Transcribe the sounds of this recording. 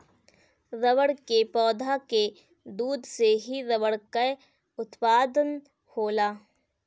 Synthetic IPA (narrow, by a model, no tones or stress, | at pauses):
ɾɐʋəɽkepɔːd̪ʱake | d̪uːd̪seɦiɾɐʋəɽkə | ʊt̪paːd̪ən | hoːlaː